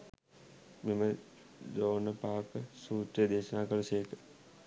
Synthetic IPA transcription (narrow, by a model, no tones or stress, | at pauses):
memə | d͡ʒoːnəpaːkəsuːt̪ɾijəd̪eːʃənaːkəlɐsejəkə̥